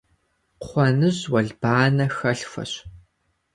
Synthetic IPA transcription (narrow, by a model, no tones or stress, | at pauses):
χʷɔnɨʑwɐɮbaːnɐxɐɬfʷɐ̰ɕ